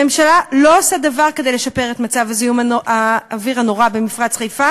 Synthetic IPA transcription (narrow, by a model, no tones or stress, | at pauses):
emʃalalo̞osad̪avaʁke̞dele̞ʃapeʁe̞t̪mat͡savazijumaaːviʁhano̞ʁabemifʁat͡sχejfa